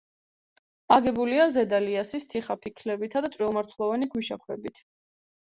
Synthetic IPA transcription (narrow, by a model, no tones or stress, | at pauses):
aɡɛbuliazɛd̪aliasist̪ʰiχapʰikʰlɛbit̪ʰad̪at̪ʼwilˠmaɾt̪ʰlˠɔvaniɡʰwiʃa̰kʰwɛbit̪ʰ